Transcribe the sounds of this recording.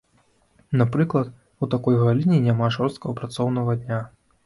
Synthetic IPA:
napɾɨklˠɐt̪ | ut̪akɔjɣalʲinʲinʲamaʐɔrst̪kɐɐpɾat̪sɔwnɐɣɐd̪ʲnʲa

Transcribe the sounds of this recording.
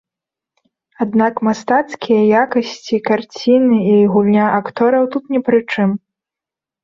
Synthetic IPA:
ad̪nakmast̪at̪skʲijɐjakɐsʲt͡sʲikart͡sʲinɨiɣulʲnʲaʔakt̪ɔɾɐwt̪ut̪nʲɛpɾɨt͡ʂɨm

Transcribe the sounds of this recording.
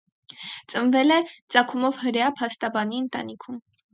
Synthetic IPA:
t͡sʼənvɛlɛt͡sɑkʰumɔvhəɾjɑpʰɑst̪ɑbɑniənt̪ɑ̰nikʰum

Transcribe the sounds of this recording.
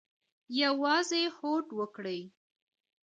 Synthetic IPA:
jawɑzehoʈwəkɽəj

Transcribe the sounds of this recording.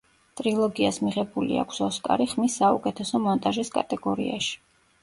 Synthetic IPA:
t̪ʼɾilˠɔɡiasmiʁɛbulḭa̰kʰsɔskʼa̰ɾiχmisːaukʼɛt̪ʰɛsɔmɔnt̪ʼaʒiskʼa̰t̪ʼɛɡɔɾḭaʃi̥

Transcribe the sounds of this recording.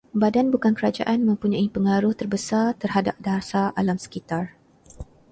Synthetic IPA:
badanbukankəɾad͡ʒa̰ʔanmə̃mpuɲãipəŋaɾʊht̪ərbəsart̪ərɦada̰p̚dasaa̰lamsə̥kit̪ar

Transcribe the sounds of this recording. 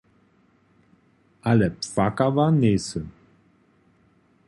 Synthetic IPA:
ʔaləpfakavaneːsə

